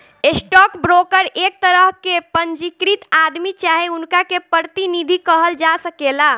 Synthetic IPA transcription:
esʈɔkbɾokəɾek̚t̪əɾəɦkepəɲd͡ʒikɾit̪ad̪mit͡ʃaɦeunkakepəɾt̪inid̪ʱikəɦəld͡ʒasəkela

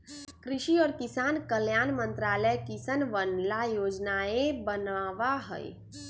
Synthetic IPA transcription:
kɾɪʃiɔːɾkisankəljanmənt̪ɾaləjkisənʋənlajod͡ʒnaebənaʋaɦə̰j

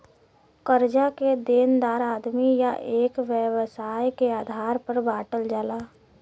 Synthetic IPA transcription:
kəɾd͡ʒaked̪eːnd̪aːɾaːd̪mijaʔeːkʋjəwsaːjkeaːd̪ʱaːɾpəɾbaːʈəld͡ʒaːlaː

